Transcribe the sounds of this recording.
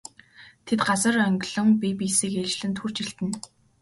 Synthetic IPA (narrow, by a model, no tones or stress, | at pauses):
t̪ʰet̪ɢasə̆rœŋɡɮɞ̆ŋpʲipisiːket͡ɕɮɘ̆nt̪ʰxur̥t͡ɕiɬt̪ɘ̆n